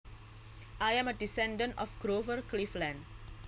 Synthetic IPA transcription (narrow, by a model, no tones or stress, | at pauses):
ʔajɛ̃mədisɛ̃ndə̃ntɔfɡɾovərkliflɛ̃nd